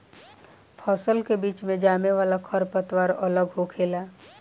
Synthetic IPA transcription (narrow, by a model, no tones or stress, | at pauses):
pʰɔːsəlkebiːt͡ʃmẽd͡ʒaːmeʋaːlakʰəɾpət̪waːɾələɡɦokʰeːlaː